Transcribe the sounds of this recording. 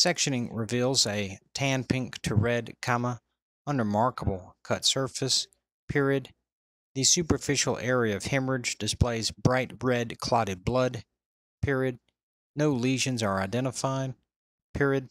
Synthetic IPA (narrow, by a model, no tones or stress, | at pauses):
sɛkʃɨñɪ̃ŋɹɪvilˠzɨtʰæ̃npʰɪ̃ŋktʰɨɹɛd̚kʰɑmə | ʌ̃nɹəmɑɹkəbl̩ˠkʰʌtsɜ˞fɨs | pʰɪɹɨd̪̚ | ðɨsʉpə˞fɪʃl̩ˠɛɹiɨʌv̥hɪ̃mɹɨd͡ʒdɨspleɪzbɹaɪt̚ɹɛdkʰl̥ɑɾɨd̚blʌd̚ | pʰɪɹiɨd̚ | noʊliʒɨ̃nzə˞aɪdɛ̃ɾ̃əfaɪd̚ | pʰɪɹɨd̥̚